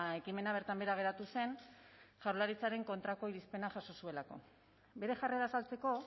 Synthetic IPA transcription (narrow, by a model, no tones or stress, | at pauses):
e̞kime̞naβ̞e̞ɾt̪ambe̞ɾaɣe̞ɾat̪use̞nʝaɾlaɾit͡saɾe̞ŋko̞nt̪ɾako̞iɾispe̞naʝaso̞sue̞lako̞̰ | be̞ɾe̞ʝareðasalt͡se̞ko̞